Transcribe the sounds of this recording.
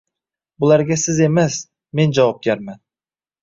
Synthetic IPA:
bulˠæɾɡʲasɪzemes | mend͡ʒɑwɑp̚ɡʲaɾmæn

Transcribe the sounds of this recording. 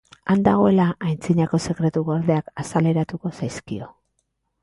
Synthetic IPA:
and̪aɣ̞o̞e̞laʔajnt͡siɲako̞se̞kɾe̞t̪uɣoɾðe̞akasale̞ɾat̪uko̞sajskio̞

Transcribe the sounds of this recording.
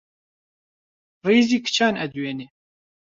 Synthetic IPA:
riːziːkʰɨ̥t͡ʃʰaːnɛd̪ueːne

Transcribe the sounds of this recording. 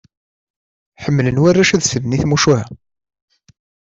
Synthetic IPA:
ħəmːlənwarːæʃæðsənniθmuʃuhæ̰

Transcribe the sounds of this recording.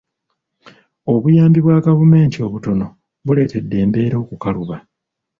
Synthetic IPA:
o̞βujaːmbiβwaɡavume̞ːntio̞βuto̞no̞ | βule̞ːte̞dːe̞ːmbe̞ːɾo̞ːkukaluβa

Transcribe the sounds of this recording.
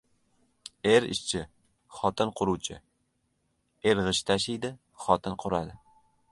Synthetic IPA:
eɾɪ̰ʃt͡ʃʰɪ | χɒt̪ʰɪnqʰʊɾuwt͡ʃʰɪ | e̞ɾʁɨʃt̪ʰaʃɪjd̪ɪ | χɒt̪ʰɪnqʰʊɾad̪ɪ

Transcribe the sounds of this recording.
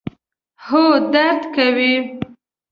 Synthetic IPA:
hod̪aɾd̪kawi

